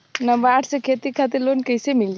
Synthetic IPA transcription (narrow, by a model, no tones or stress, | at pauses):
nəbəaʈʰsekʰet̪ikʰat̪iɾlonkəjsemild͡ʒ